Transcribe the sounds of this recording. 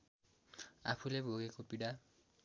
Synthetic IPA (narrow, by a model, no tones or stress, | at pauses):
a̰pʰulebʱoɡekopiɽa